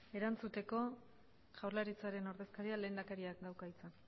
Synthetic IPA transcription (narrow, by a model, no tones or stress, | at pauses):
e̞ɾant͡sut̪e̞ko̞ | ʝawɾlaɾit͡saɾe̞no̞ɾðe̞skaɾiale̞ːnd̪akaɾiakd̪awkait͡san